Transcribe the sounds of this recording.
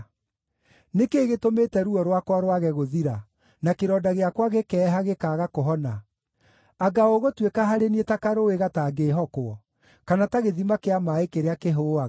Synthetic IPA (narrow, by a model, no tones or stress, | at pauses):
nekeːɣetometɛɾuɔɾwakwaɾwaɣɛɣoðiɾa | nakeɾɔdaɣeakwaɣekɛːɦaɣekaːɣakoɦɔna | aɡaoɣotwekaɦaɾenietakaɾoeɣataːɡeɦɔkoɔ | kanataɣeðimakeamaekeɾeakeɦoaɣ